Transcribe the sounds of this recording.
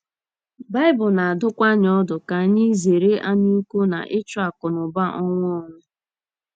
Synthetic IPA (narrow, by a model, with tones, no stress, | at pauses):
ba˦ɪ˦bʊ˨na˨a˨dʊ˦kʷa˦ɲ˨ɔ˦dʊ˨ka˨ɲi˦ze˨ɾe˦ʔa˦ɲu˦kʷo˦na̰˨ʔɪ˦t͡ʃʊ˦a˨kʊ˨nʊ˨ba˦ʔɔ˦ŋʷ˦ɔ˦˨nʊ˦